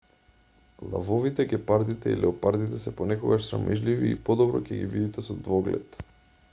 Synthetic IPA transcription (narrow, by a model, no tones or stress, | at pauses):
lˠa̰vɔvit̪ɛɡɛpaɾd̪it̪ɛḭlʔɛopaɾd̪it̪ɛsɛponɛkoɡaʃsɾa̰mʔɛʒliviːpɔd̪ɔbɾɔcɛɡivid̪it̪ɛsɔd̪vɔɡlɛ̰t̪